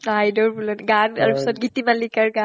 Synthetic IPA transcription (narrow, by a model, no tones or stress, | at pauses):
ajdɔɹbulɔnɡana̰ɹupisɔt̚ɡitimanlikaɹɡa